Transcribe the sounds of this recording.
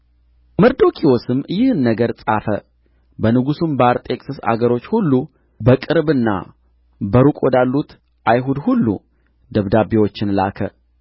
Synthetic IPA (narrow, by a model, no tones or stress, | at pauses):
məɾd̪o̞kʰiwosɨmːjɪhɨnːəɡəɾsʼafə | bənɨɡusumbaɾt̪ʼe̞kʼsɨsa̰ɡəɾo̞t͡ʃːhulːu | bəkʼɨɾbɨnːa̰ | bəɾukʼod̪alːut̪ | ʔajɦud̪hulːṵ | d̪əβd̪abewo̞t͡ʃːɪnla̰kʰə̰